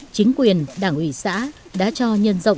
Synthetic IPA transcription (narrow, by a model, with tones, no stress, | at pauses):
t͡ɕï˨˦ŋ̟kwi˨˩ənɗaː˧˩ŋʔwi˧˩sa̰ː˧˥ | ɗa̰ː˧˥t͡ɕɔ˧ɲə˧nzə̰˧˨wŋ͡m